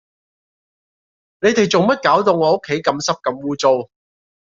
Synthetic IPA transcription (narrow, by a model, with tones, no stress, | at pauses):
ne˨˧jt̪e˨jt͡sʊ˨˩ŋmɐ˥t̚kaː˨˥wt̪ʊ˨˩ŋɔː˨˥o˥kʰːe˨˥jkɐ˨˧˥msɐ˥p̚kɐ˧mwuː˥t͡so˧w